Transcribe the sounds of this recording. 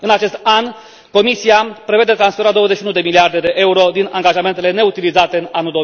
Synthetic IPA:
ɨnat͡ʃe̞st̪an | ko̞misiapɾe̞ve̞d̪e̞t̪ɾansfeɾad̪owəzet͡ʃʃiunud̪e̞miliard̪e̞d̪e̞ʔe̞uɾo̞d̪inaŋɡaʒame̞nt̪e̞le̞ne̞ut̪ilizat̪e̞ɨnanuld̪o

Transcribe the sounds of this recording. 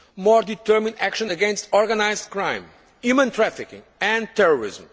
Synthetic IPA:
mɔɹd̪it̪ɜɾmĩnd̪ækʃə̃nəɡɛ̃nstɔɹɡənajzdkɹãɪ̃m | jumə̃nt̪ɹafikḭ̃ŋɛ̃nt̪ɛɹɔɹḭzm

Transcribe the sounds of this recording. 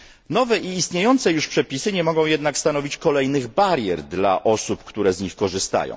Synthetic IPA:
nɔvɛʔiːst̪ɲejɔnt̪sɛjuʂpʂɛpʲisɘɲɛmɔɡɔ̃w̃jɛd̪nakst̪anɔvʲit͡ɕkɔlɛjnɘɣbaɾʲjɛɾd̪la̰ʔɔsupkt̪uɾɛzɲixkɔʐɘst̪a̰jɔ̰̃w̃

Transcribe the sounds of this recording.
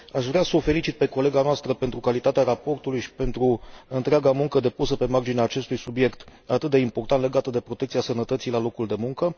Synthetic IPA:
aʃvɾeasəofe̞lit͡ʃit̪̚peko̞le̞ɡanoast̪ɾəpe̞nt̪ɾukalit̪at̪eaɾapo̞rt̪ulujʃi̥pe̞nt̪ɾuɨnt̪ɾeaɡamuŋkəd̪e̞pusəpe̞mard͡ʒineaːt͡ʃe̞st̪ujsubje̞kt̪at̪ɨt̪̚d̪e̞import̪ant̪le̞ɡat̪əd̪e̞pɾot̪ekt̪siasənət̪ət̪sijlalo̞kuld̪e̞muŋkə

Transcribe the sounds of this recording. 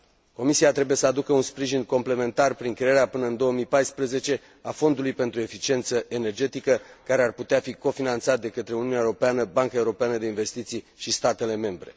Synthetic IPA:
ko̞misiat̪ɾe̞buje̞səad̪ukəunspɾiʒinko̞mple̞me̞nt̪arpɾiŋkɾeeɾeapɨnəɨnd̪o̞wəmijpajspɾəze̞t͡ʃe̞ | afo̞nd̪ulujpe̞nt̪ɾue̞fit͡ʃie̞nt̪səʔe̞ne̞rd͡ʒe̞t̪ikəkaɾe̞arput̪eafiko̞finant̪sat̪̚d̪e̞kət̪ɾe̞uniuneaeuɾo̞peanəbaŋkaeuɾo̞peanəd̪e̞inve̞st̪it̪sij | ʃist̪at̪e̞le̞me̞mbɾe̞̰

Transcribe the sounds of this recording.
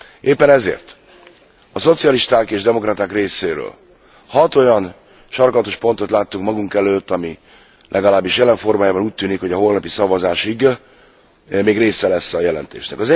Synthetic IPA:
ʔeːpːɛnɛzḛːrt̪ | ɒso̞t̪sijɒliʃt̪aːkeːʒd̪ɛmo̞krɒt̪aːkreːseːɾø̰ːl | hɒt̪o̞jɒn | ʃɒrkɒt̪o̞ʃpo̞nt̪o̞t̪laːt̪ːukmɒɡuŋkɛløːt̪ːɒmi | lʔɛɡɒlaːbːiʃjɛlɛɱfo̞rmaːjaːbɒnuːc̚t̪yːnikho̞ɟɒɦo̞lnɒpisɒvɒzaːʃiɡ | meːɡreːsɛlɛsːɒjɛlɛ̰nt̪ḛːʃnɛkɒzɛ

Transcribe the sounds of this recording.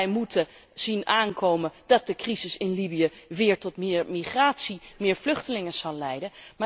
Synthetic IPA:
jmutə | z̥inʔaːnkowməndɑt̚dəkrizɪsɪnlibijəʋɪːɹtɔtmɪɹmiχraːtsimɪːɹvlɵχtəlɪŋəz̥ɑlˠlɛjdənmaː

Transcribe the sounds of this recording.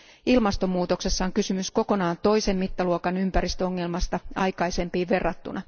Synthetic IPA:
ilmɑst̪omːuːt̪o̞kse̞sːɑoŋkysymysko̞ko̞nɑːnt̪o̞jse̞mːit̪ːɑluokɑnympæɾist̪øoŋːe̞lmɑst̪ɑɑjkɑjse̞mpiːʋʋe̞rːɑt̪ːunɑ

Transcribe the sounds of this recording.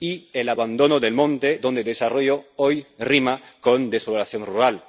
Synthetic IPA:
ielaβand̪onoðelmõnt̪ed̪o̞nd̪eðesaroʝoojrimakond̪espoβɾaθjonruɾal

